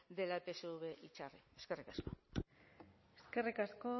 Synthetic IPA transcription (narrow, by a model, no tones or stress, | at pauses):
d̪e̞lapeseuβe̞ʔit͡ʃarḭeske̞rikasko | eske̞rikasko